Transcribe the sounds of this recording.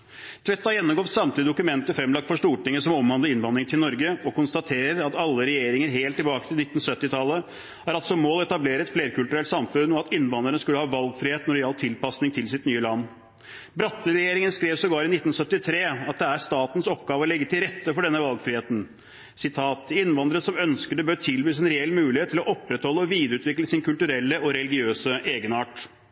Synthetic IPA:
t̪ʰʋɛt̪ːɑjɛnːɔmɡoːp̪sɑmt̪lɪəd̪ʊkʉmɛnt̪əfɾɛmlɑk̚t̪fɔʂʈuːʈɪŋːəsɔmɔmʋɑnd̪əɪnʋɑnd̪ɾɪŋt̪ʰɪlnɔɾɡəɔkʊnst̪ɑt̪ʰeːɾəɾɑt̪ɑlːəɾɛjeːɾɪŋəɾɦeːlt̪ʰːɪlbɑːkət̪ʰɪlɪt̪ːn̩sœt̪ːɪt̪ʰɑlːə | hɑɾɑlsɔmoːlɛt̪ɑbleːɾəɛt̪fleːɾkʉlt̪ʉɾɛlt̪sɑmfʉnɔɑt̪ɪnːʋɑnəɾənəskʉlːəhɑːʋɑlɡfɾiːeːt̪nʊɾɪɑːlt̪ʰɪlpɑsnɪŋt̪ʰɪlsɪt̪nyːəlɑnː | bɾɑt̪ːəlɾɛjeːɾɪŋənskɾeːʋsɔɡɑːɾɪnɪt̪ːn̩sœt̪ːɪt̪ʰɾeːɑt̪̚d̪ɛæʂt̪ɑːt̪n̩sɔpɡɑːʋəɔlɛɡːət̪ʰɪlɾɛt̪ːəfɔɖɛnːəʋɑlɡfɾɪheːt̪n̩ | sɪt̪ʰɑːt̪ɪnːʋɑnd̪ɾəsɔmœnskəɖɛbøːt̪ʰɪlbyːs̬ɛnɾɛɛlːmʉːlɪheːt̪ʰːɪlɔʔɔpːɾɛt̪hɔlːəɔʋiːd̪əɾʉːt̪ʰʋɪkləsɪnkʰʉlt̪ʉɾɛlːəɔɾɛlɪɡɪøːsəʔeːɡənɑːʈ

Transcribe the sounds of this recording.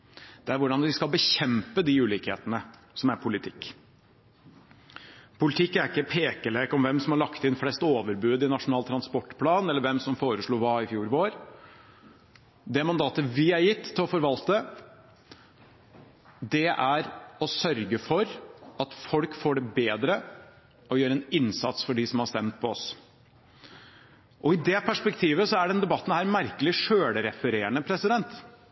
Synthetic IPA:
d̪̥ɛæɾʋʊɖɑnʋɪskɑlbəçɛmpəd̪ɪʉːliːkhḛːt̪ənə | sɔmæɾpʰʊlɪt̪ʰɪkː | pʰʊlɪt̪ʰɪkːæɾɪkːəpʰeːkəleːkɔmʋɛmsɔmhɑɾɭɑkt̪ɪnflɛst̪oːʋəɾbʉːd̪ɪnɑʂʊnɑːlt̪ʰɾɑnspɔʈːpʰlɑːnɛlːəɾʋɛmsɔmfoːɾəʂɭuːʋɑːɪfjuːɾʋoːɾ | d̪ɛmɑnd̪ɑːt̪əʋɪæɾjɪt̪ʰːɪlɔfɔɾʋɑlt̪ə | d̪ɛʔæɾɔsœɾɡəfɔɾɑt̪fɔlkfoːɖɛbeːd̪ɾə | ɔjøːɾəɛnɪnsɑ̰t̪sfɔɖɪsɔmhɑʂt̪ɛmt̪̚pʰɔɔs | ʔɔɪd̪ɛpʰæʂpɛk̚t̪ʰiːʋəsɔæɖɛnd̪ɛbɑt̪ːn̩hæːɾmæɾkəlɪʂøːɽɾɛfəɾeːəɳəpʰɾɛsɪd̪ɛnt̪

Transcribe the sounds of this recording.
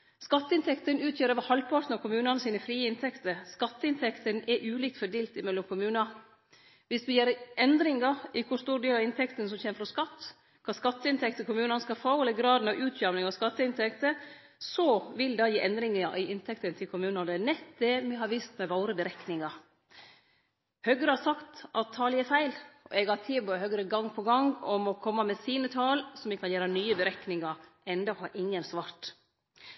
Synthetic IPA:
skɑt̪ːəɪnt̪ʰɛkt̪ənʉːt̪ʰjøːɾəʋɑhɑlpʰɑʈnɑkʰʊmʉːnɑnəsiːnəfɾiːəɪnt̪ʰɛkt̪əskɑt̪ːəɪnt̪ʰɛkt̪ənɛʔʉːliːk̚t̪fɔɖeːlt̪ɪmɛlːɔmkʰʊmʉːnɑ | ʋɪsd̪ʉjeːɾʔɛnd̪ɾɪŋɑɪkʰʊst̪uːɾɖeːlɑʋɪnt̪ʰɛkt̪əns̬ɔmçeːməfɾɔskɑt̪ː | kʰɑːskɑt̪ːəɪnt̪ɛkt̪əkʰʊmʉːnɑnəskɑfɑʊɛləɡɾɑːd̪n̩ɑʋʔʉːt̪ʰjœmnɪŋɑskɑt̪ːəɪnt̪ʰɛkt̪ə | sɔʋɪld̪ɑjiːʔɛnd̪ɾɪŋɑʔɪʔɪnt̪ʰɛkt̪ənt̪ʰɪlkʰʊmʉːnɑnənɛt̪d̪ɛmɛɦɑɾʋiːst̪mɛʋɑʊɾəbəɾɛknɪŋɑɾ | høɡɾəhɑsɑkt̪ʔɑt̪ʰːɑːlɪɛfæɪlʔɔ̰ʔɛɡhɑt̪ʰiːbɔhœɡɾəɡɑŋpʰɔɡɑŋɡɔmɔkʰɔmːɑmɛsiːnət̪ʰɑːlsɔmɪkʰɑnjæːɾɑnyːəbəɾɛknɪŋɑɾʔɛnd̪ɑhɑːʔɪŋːənsʋɑːɾʈ̪

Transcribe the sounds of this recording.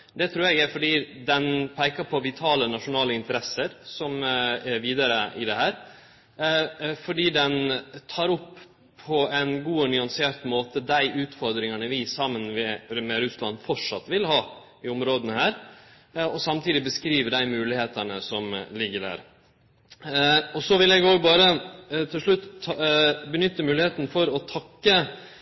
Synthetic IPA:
d̪ɛt̪ʰɾʉːɾɛɡæfɔɖiːd̪ɛnpʰæɪkɑpʰɔʋɪt̪ʰɑːlənɑʂʊnɑːləɪnt̪əɾɛsəɾsɔmɛʋiːd̪ɑɾəʔɪd̪ɛhæːɾ | fɔɖiːd̪ɛnt̪ʰɑːɾɔpːʰ | ɔɛnɡuːɔnʏɑnsɪeːɾt̪moːt̪əd̪æɪʔʉːt̪fɔɾd̪ɾɪŋɑnəʋɪsɑmːənʋɛmɛɾʉslɑnfɔʈʂɑ̰t̪ːʋɪlhɑː | ɪʊmɾoːd̪ənəhæːɾ | ɔsɑmt̪ʰiːd̪ɪbəskɾiːʋəɖæɪmʉːlɪheːt̪ɑnəsɔmlɪɡːəɖæ̰ːɾ | ɔsɔʋɪlɛɡoːɡbɑːɾət̪ʰɪlʂɭʉt̪ː | bənʏt̪ːəmʉːlɪheːt̪n̩fɔɾɔt̪ʰɑkːə

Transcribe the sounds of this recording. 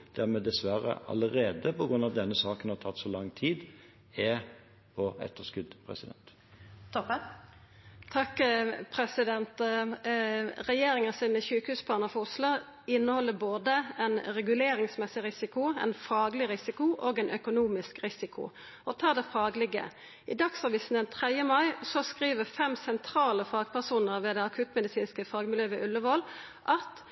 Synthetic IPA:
d̪̥æɾmɛːd̪ɛsʋæɾə̰ɑ̰ləɾeːd̪əpɔɡɾʉnːɑʋd̪ɛnːəsɑːkənhɑɾt̪ʰɑt̪ːsɔlɑŋːt̪ʰiːd̪ | ɛ | pʰɔɛ̰t̪ːəskʉd̪pʰɾɛ̰sɪd̪ɛ̰nt̪ | t̪ʰɔpə | t̪ʰɑkːpʰɾɛsɪd̪ɛnt̪ | ɾɛjeːɾɪŋənsɪnmɛçʉːkəhʉːspʰɑːʁnəfʊslʊ | ɪnːəhɔlːəboːd̪əɛnɾɛɡʉleːɾɪŋsmɛsɪɾɪsɪkʊɛ̰nfɑːɡlɪɾɪsɪkʊʔoːɡɛɪnʔœkʊnuːmɪskɾɪsɪkʰʊ̰ | ɔt̪ʰɑːd̪ɛfɑːɡlɪɡə̰ | ʔɪd̪ɑksɑːʋiːsn̩ɛnt̪ʰʁɛd̪jəmɑɪsɔskɾiːʋəfɛmsɛnt̪ʰɾɑːləfɑːɡpʰæʁsuːnəʁʋeːd̪ɛɑkʰʉt̪mɛd̪ɪsiːnskəfɑːɡmɪljøːʋɛʔʉlːəʋɔl | ʔɑt̪

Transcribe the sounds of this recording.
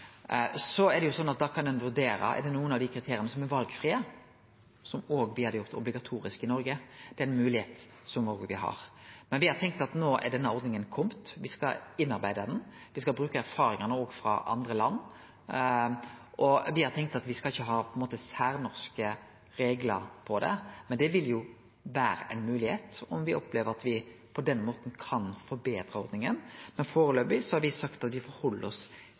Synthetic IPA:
sɔɛɾd̪ɛjʊsɔnːɑt̪̚d̪ɑːkʰɑnd̪ɛnʋʉɾd̪eːɾə̰ʔɛ̰ɾd̪ɛnuːənɑʋd̪ɪkʰɾɪt̪ʰeːɾɪənəsɔmɛɾʋɑlɡfɾiːə | sɔmoːɡʋɪhɑd̪jʊɾt̪ɔblɪɡɑt̪ʰuːɾɪskɪnɔɾɡəd̪ɛæɾɛnmʉːlɪheːt̪ | sɔmoːɡʋɪɦɑ̰ɾmɛnʋɪhɑɾt̪ʰɛŋk̚t̪ɑt̪noːʔɛ̰ɖɛnːəɔɾd̪nɪŋənkʰɔmt̪ʋɪskɑ̰ɪnːɑɾbæɪd̪ɑd̪ɛn | ʋɪskɑlbɾʉːkəæɾfɑːɾɪŋənəoːɡfɾɑ̰ʔɑ̰nd̪ɾəlɑnː | ʔɔʋɪhɑɾt̪ʰɛŋk̚t̪ɑt̪ʋɪskɑɪçːəɦɑːpʰɔɛnmoːt̪əsæːɾnɔɾskə | ɾeːɡlə̰ɾpʰɔd̪ɛ̰mɛnd̪ɛʋɪljʊ | ʋæːɾə̰ʔɛɪnmʉːlɪheːt̪ɔmʋɪɔpleːʋəɾɑt̪ʋɪpʰɔd̪ɛnmoːt̪n̩kʰɑnfɔɾbeːd̪ɾəɔɾd̪nɪŋənmɛnfoːɾəløːbɪsɔhɑɾʋɪsɑkt̪ɑt̪ʋɪfɔɾhɔlːəɔs

